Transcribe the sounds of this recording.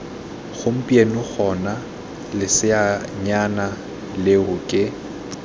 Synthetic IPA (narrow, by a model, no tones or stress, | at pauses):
ɣʊm̩pʼienʊɣʰɔna | lɪsɪaɲana | lɪʊkʼɪ